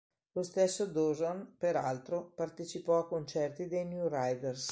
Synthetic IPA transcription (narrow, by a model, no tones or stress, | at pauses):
lost̪esːod̪ozonpeɾa̰lt̪ɾopart̪et͡ʃipɔakːont͡ʃɛrt̪id̪ejnjurajd̪ers